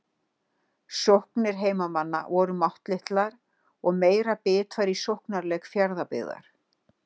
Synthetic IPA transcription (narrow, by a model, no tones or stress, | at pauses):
sohknɪɾ̥ɦeːjmamanːa̰vɔɾʏmawht̪lɪht̪laɾ | ɔɣmeːjɾapɪːt̪ʰvaɾisowhknaɾlɛkfjaɾðapɪ̰ða̰ɾ̥